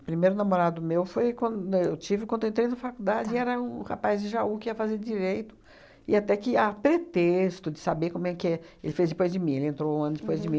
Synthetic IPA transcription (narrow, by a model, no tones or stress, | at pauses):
pɾimejɾʊnamoɾad̪ʊmewfojkwɐ̃d̪ewt͡ʃivɪkɐ̃d̪ʊẽnt̪ɾejʊnɐfakud̪ad͡ʒɪɛɾɐũha̰pajzd͡ʒɪʒaukɪiɐfazeɾd͡ʒiɾejt̪ʊ̥ | ɪat̪ɛkɪapɾet̪est̪ʊd͡ʒɪsabekõmũɛkɪɛelɪfezd͡ʒ̪ɪpojzd͡ʒɪmĩelɪẽnt̪ɾoũɐ̃nʊd͡ʒɪpojzd͡ʒɪmĩ